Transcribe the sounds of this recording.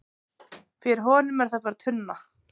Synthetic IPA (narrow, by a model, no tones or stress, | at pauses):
fɪɾɪɦɔːnʏmɛɾ̥θaðpaɾat̪ʰʏnːa